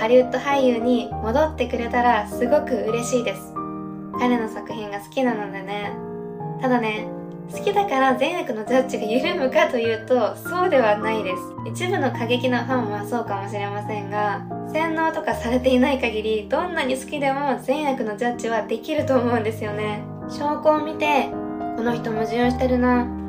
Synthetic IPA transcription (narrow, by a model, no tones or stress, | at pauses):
haɾʲɯt̪ːo̞haijɯ̟ːɲ̟imo̞d̪o̞t̪ːe̞kɯ̟ɾe̞t̪aɾasɨɡo̞kɯ̟ɯ̟ɾe̞ɕiːd̪e̞sɨ̥ | kaɾe̞no̞sakɯ̟çĩŋɡasɨ̥kʲinanod̪ene̞ | t̪ad̪ane̞ | sɨ̥kʲid̪akaɾazẽɰ̃jakɯ̟no̞d͡ʑat͡ɕiɡajɯ̟ɾɯ̟mɯ̟kat̪o̞jɯ̟ːt̪o̞so̞ːd̪e̞β̞anaid̪e̞sɨ̥it͡ɕibɯ̟no̞kaɡe̞kʲinoɸãɰ̃βaso̞ːkamo̞ɕiɾe̞masẽ̞ŋɡasẽ̞nːo̞ːt̪o̞kasaɾe̞t̪e̞inaikaɡʲiɾʲid̪̥õ̞nːaɲ̟isɨ̥kʲid̪e̞mo̞zẽ̞ɰ̃jakɯ̟no̞d͡ʑat͡ɕːiβad̪e̞kʲiɾɯ̟t̪oːmo̞ɯ̟̃nd̪e̞sɨjo̞ne̞ | ɕo̞ːko̞ːmʲit̪e̞ko̞no̞çi̥t̪o̞mo̞ʑijoːɕi̥t̪eɾɯ̟na